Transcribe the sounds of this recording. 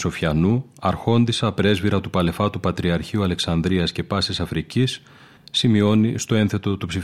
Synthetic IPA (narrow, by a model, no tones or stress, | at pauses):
so̞fçɐnu | ɐɾxo̞nd̪isɐpɾe̞zviɾɐt̪upɐle̞fɐt̪upɐt̪ɾiɐɾçiuɐle̞ksɐnd̪ɾiɐsce̞pɐsisɐfɾicisː | imio̞nist̪o̞e̞nθe̞t̪o̞t̪upsi